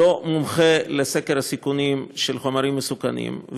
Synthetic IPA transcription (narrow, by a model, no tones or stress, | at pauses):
omumχelesekeɾhasikunimʃelχomaɾimːesukanḭmv